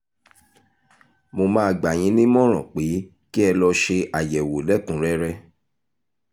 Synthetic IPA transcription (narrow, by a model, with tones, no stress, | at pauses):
mo˧mãː˦˧ɡ͡ba˨j̃ĩ˨˦nĩ˦mɔ̃˦ɾ̃ɔ̰̃˨k͡pe˨˦ | ki˦ɛ˧lɔ˧ʃe˧ʔa˨jɛ˨wo˨lɛ˦kũ˨˦ɾɛ˧˦ɾɛ˧